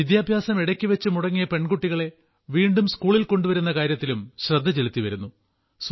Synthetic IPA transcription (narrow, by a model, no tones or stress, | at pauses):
id̪jaːbʱjaːsɐmiɽɐkʲːiʋɐt͡ɕːɨmuɽɐŋːijɐpe̞ɳɡuʈːiɣɐɭe̞ | ʋiːɳɖumskuːɭilko̞ɳɖuʋɐɾunːɐkaːɾjɐt̪ːilumɕrɐd̪ʱːɐt͡ɕe̞lut̪ːiʋɐɾunːu | s